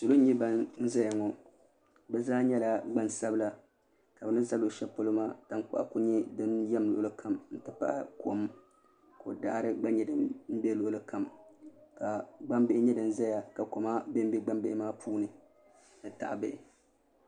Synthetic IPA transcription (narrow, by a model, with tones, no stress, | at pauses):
so˨lo˦ɲi˦ba˦nn̩˦za˦ja˨ŋɔ˨ | bɛ˦zaː˦ɲɛ˦la˨ɡ͡ba˦nsa˦bɨ˦la˦ | ka˨bɛ˨nɨ˦nsa˦lo˨ʃɛ˦po˦lo˦maː˦ta˦ŋk͡pa̰˦˨ʔa̰˨ku˦ɲɛ˦dɨ˦njɛ˦mlʊ̰˨ʊ˦˨lɨ˦kʰa˦mn̩˦tɨ˦pa̰˦ʔa̰˦kʰo˨m | ko̰˨da˦ʔɾɨ˦ɡ͡ba˦ɲɛ˨dɨ˨mn̩˦bɛ˦lʊ˨ʊ˨lɨ˦ka˨mka˨ɡ͡ba˦mbɪ˦ʔɪ˦ɲɛ˦dɨ˨m˦za˦ja˨ka˨ko˨ma˦be˦m˦bi˦ɡ͡ba˦mbɪ˦˨ʔɪ˦maː˦pʰuː˦nɨ˨ | nɨ˨ta̰˨ʔbɛ˦˨ʔɪ˨